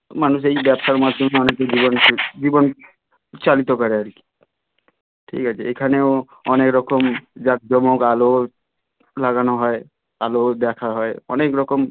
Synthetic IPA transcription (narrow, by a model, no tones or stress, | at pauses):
manus̬ejbɛbsaɾmad̪ʱjɔmeɔneked͡ʒibɔnd͡ʒibɔn | t͡ʃalit̪ɔkɔɾeaɾiki̥ | ʈʰḭkɦat͡ʃʰeekʰaneo | ɔnekɾɔkɔmd͡ʒak̚d͡ʒɔmɔkalo | laɡanɔɦɔe | alod̪ɛkʰaɦɔeɔ̰nekɾɔkɔm